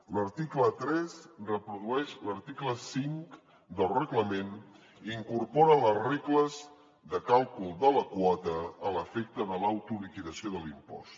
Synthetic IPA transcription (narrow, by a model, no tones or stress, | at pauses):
ləɾt̪iklət̪ɾɛzrəpɾuðuɛʃləɾt̪ikləsiŋk | d̪əlˠrəɣləmen | iŋkuɾpɔɾələzreɣləz | ðəkalˠkulˠd̪ələkwɔt̪əːləfɛk̚t̪əðəlawt̪ulikiðəsioðəlimpɔ̰st̪